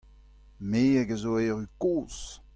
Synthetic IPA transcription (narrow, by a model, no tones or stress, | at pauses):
meːaɡəzoɛːʁykoːs